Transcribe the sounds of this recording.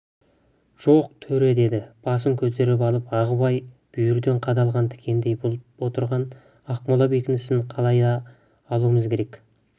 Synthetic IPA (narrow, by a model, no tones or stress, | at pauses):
ʒ̥oq̚t̪ʰɵɾe̞d̪e̞d̪ɪb̥ɑs̬əŋkʲʰɵt̪̬ʰe̞ɾɪp̬ɑlˠəpɑʁəbɑjb̥ʏjʏɾd̪e̞ɴqʰɑd̪ɑlˠʁɑnt̪ʰɪ̥kʲʰe̞nd̪e̞jwo̞t̪əɾʁɑn | ɑqmolˠɑbekʲɪnɪsɪnqʰɑlˠɑjd̪ɑː | lˠuəməzkʲʰe̞ɾe̞k